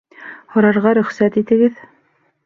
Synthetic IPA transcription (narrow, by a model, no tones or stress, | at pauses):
hɑ̆ɾɑɾʁɑɾɵ̆χsæt̪it̪ɘ̆ɡɘð